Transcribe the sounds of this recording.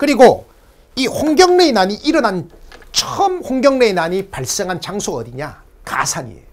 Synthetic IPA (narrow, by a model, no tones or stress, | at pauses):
kɯɾiɡo | ihoŋɡjʌŋne̞naɲiʔiɾʌnant͡ɕʰʌʌmhoŋɡjʌŋne̞inaɲipaɭs͈eŋɦant͡ɕaŋsʰoʌ̰diɲa | ka̰sʰaɲḭḛ